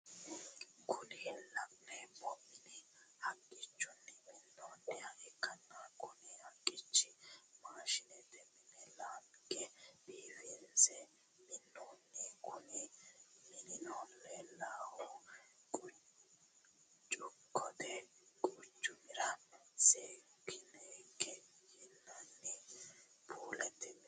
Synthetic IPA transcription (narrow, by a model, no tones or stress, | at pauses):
kʰʊnilɐʔnɛbɔʔɪnihɐkʼːɪt͡ʃːʊnːɛmɪnːoːnːɛaʔɛkːɐnːakʰʊnihɐkʼːɪt͡ʃːɪmaːʃɪnɛd̪ɛmɪnɛlaːkʼːɛb̥iːfinsɛ | mɪnːoːnːɛkʰʊnɛmɪnɪnɔlːɛlaːhʊkʼʊ | t͡ʃʼʊkʰːɔd̪ɛkʼʊt͡ʃʼːʊmɪɾɐsekʰːɪnɛkːɛjɪnːɐnːɪ | bʰuːlɛt̪ːɪm